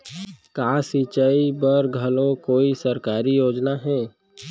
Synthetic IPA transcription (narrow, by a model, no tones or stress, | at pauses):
kaːsit͡ʃəibəɾɡʱɐlõkoːisəɾkaːɾijoːd͡ʒnaɦɛ̃ː